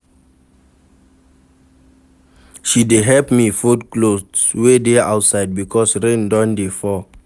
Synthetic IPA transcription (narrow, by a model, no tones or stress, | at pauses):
ʃideɦɛpmifudklowedeaʊtsaɪd̚bikʰɔsɹẽndɔ̃ndefɔ